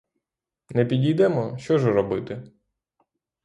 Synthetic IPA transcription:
nɛpʲidʲijd̪ɛmɔʃt͡ʃɔʒɛɾɔbɪt̪ɪ

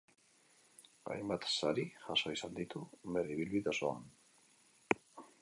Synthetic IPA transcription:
a̰jmbat̪saɾiʝaso̞isand̪it̪umeriβilβiðasoa̰n

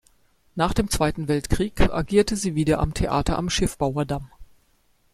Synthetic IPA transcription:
naːχd̥eːmt͡sv̥aɪtn̩vɛltkʁ̥iːka̰ɡiːɐtəziːviːdɐʔa̰mtʰeʔa̰ːtʰɐʔa̰mʃɪfb̥aʊɐdam

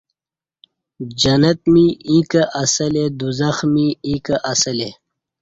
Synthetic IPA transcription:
d͡ʑɐnɐt̪̚miĩːkɐʔɐsɐled̪uzɐxmiĩːkɐʔɐsɐle

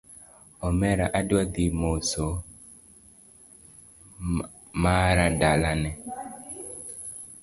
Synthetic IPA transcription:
ɔmɛɾaʔadwad̪imoso | maɾadalanɛ

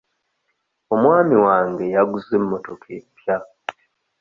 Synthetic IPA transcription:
o̞mwaːmiwaːŋɡe̞jaɡuzemːotokʰepja

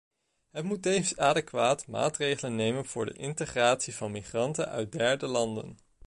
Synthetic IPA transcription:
ɦətmutːejvənsaːdəkʋaːtma̰ːtrejχələnːejmənv̥ʊːɹdə̰ʔɪntəχraːtsivɑnmiχrɑntənœ̰ɥt̚dɛɹdəlɑndə̰n

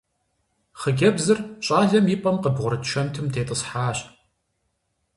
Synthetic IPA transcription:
χəɡʲɐbzɨrɕʼaːɮɐmipʼɐmqəbʁʷʊɾɨtʃʰʷɐntʰɨmdʰeːtʼəsħaːɕ

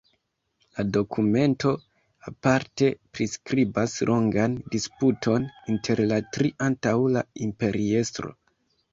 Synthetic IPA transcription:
lado̞kʰume̞nto̞ | apaɾte̞pɾiskɾibaslʔo̞ŋɡandisputʰo̞nintʰe̞ɾlatɾiʔantawlaimpe̞ɾie̞stɾo̞̰

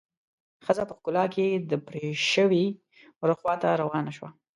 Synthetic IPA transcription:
xəzapəxkʊlɑked̪əpɾeʃəwi | wɾəxwɑt̪aɾawɑnaʃwa̰

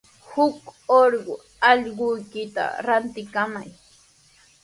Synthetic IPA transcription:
hʊkoɾɢʊ | ɑʎɢʊjkɪt̪a̰ɾant̪ɪkamaj

